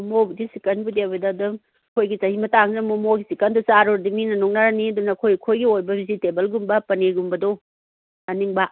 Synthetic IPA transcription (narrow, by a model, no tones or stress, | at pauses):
mobudisikɐnbudewbɐdɐdɐm | kʰojɡit͡ʃɐhimɐtaŋnɐmomoɡisikɐndosaɾoɾdiminɐnoŋnaɾaniɐdunɐkʰojkʰojɡiojbɐbizitebɐlɡumbɐpɐneɡumbɐdo | ɐniŋba